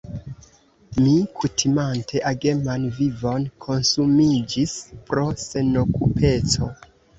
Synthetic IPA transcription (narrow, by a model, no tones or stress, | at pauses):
mikʰutʰimantʰe̞ʔaɡe̞manvivo̞nkʰo̞nsumid͡ʒispɾo̞se̞no̞kupʰe̞t͡so̞